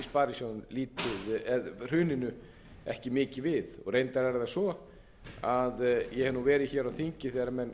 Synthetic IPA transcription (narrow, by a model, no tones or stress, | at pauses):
spaːɾisjonliːt̪ɪðɛðr̥ʏːnɪnʏ | ɛ̰hcɪmɪːcɪvɪðɔ̰ɣrejnt̪aɾɛɾðasvɔ | aðjɛhɛðnuvɛːɾɪçɛːɾaðwθiɲcɪθɛɾamɛn